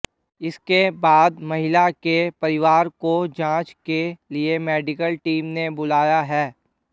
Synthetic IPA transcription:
ɪskebaːd̪mɐɦɪlakepɐɾɪʋaːɾkod͡ʒãːt͡ʃkeliemɛːɖɪkəlʈiːmnebʊlaːjaɦɛː

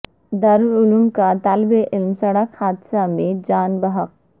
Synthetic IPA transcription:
d̪ɐɾʊlumkat̪aːlbeʔɪlmsɐɽəkhaːd̪samẽd͡ʒaːnbəɦəq̚

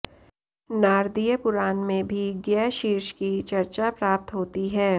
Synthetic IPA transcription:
naːɾd̪ijəpʊɾaːnmẽbʱiɡɛːʃiːɾʃkit͡ʃɐɾt͡ʃapɾaːp̚t̪ɦoːt̪iɦɛː

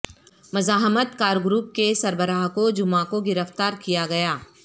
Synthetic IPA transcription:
mɐzaːɦmət̪kaːɾɡɾuːp̚kesɐɾbəɾaːɦkod͡ʒʊmãkoɡɪɾəft̪aːɾkijaɡɐjaː

